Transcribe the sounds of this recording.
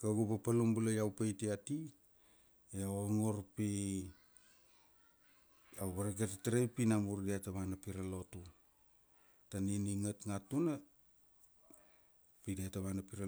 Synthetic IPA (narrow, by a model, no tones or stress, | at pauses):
kaɡupapalumbulajawpajtiati | eawaŋo̞ɾpi | awβaɾaɡetataɾejpinamuɾdiataβanapiɾalo̞tu | taniniŋatŋatuna | pidiataβanapiɾa